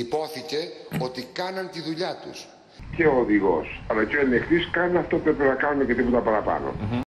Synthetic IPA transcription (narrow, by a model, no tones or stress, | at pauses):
ipo̞θice̞o̞t̪ikɐnɐnt̪iðuʎɐt̪ṵs | ceoːðiɣo̞̰sɐlɐceolext̪iskɐnneɐft̪ɐp̪ɾepenɐkɐnunece̞t̪ipo̞t̪ɐpɐɾɐpɐ̰no̰